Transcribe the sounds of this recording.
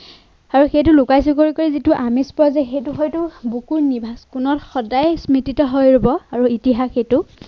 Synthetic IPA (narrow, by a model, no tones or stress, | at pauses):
aɹuxejtʊlʊkajs̬ukoɹikoɹizitʊʔamispɔɔzɛxejtuxojtʊbukuɹnibʱaskunɔtxɔdajsmititɔɦojɹobɔaɹuitiɦaxejtʊ